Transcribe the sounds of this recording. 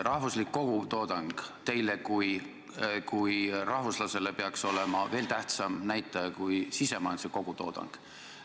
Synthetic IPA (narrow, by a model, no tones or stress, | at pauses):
rʔɑhvuslikːo̞ɡ̥ut̪o̞ːd̪̥ɑŋɡ̥t̪e̞jle̞kuj | kujrɑhvuslɑse̞le̞pe̞ɑkso̞le̞mɑve̞ːlt̪æht̪sɑmnæjt̪ːˑɑjɑkujsise̞mɑjnseko̞ɡ̥ut̪o̞̰ːd̪̥ɑ̰ŋɡ̥